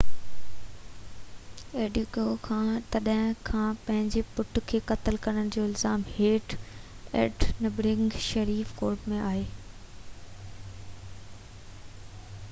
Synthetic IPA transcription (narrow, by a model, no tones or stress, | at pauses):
eːɖɪkokʰãːt̪ɐɗɦɪ̃kʰãːpɐ̃ɦɪ̃ɲd͡ʑepʊʈʰkʰeːkɐt̪əlkɐɽ̃ənɪ̆d͡ʑoːɪlzaːmheːʈ | ɛ̰ːʈnɐbɾɪ̃ŋɡʃɐɾiːfkoːɾʈmẽʔaːɦeː